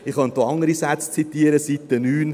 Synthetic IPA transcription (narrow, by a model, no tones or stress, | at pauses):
ɪχɑnt̪oɑŋəɾisæt͡st͡sit̪iəɾəsit̪ːənyːn